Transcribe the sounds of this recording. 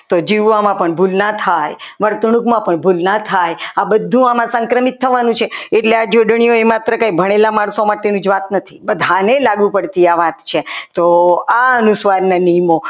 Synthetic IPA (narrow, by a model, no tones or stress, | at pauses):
t̪od͡ʒiʋʋamãpəɳbʱulnat̪ʰajʋəɾt̪ɳ̃ukmãpəɳbʱulnat̪ʰajabəd̪ʱːũamãsəŋkɾəmit̪ʰːəʋanũt͡ʃʰeeʈlead͡ʒoɖɳ̃ijoemat̪ɾəkãibʱəɽ̃elamaɽsomaʈenũd͡ʒʋat̪nət̪ʰibəd̪ʱanelaɡʋũpəɽt̪iaʋat̪t͡ʃʰet̪oaənusʋaɾnanijmo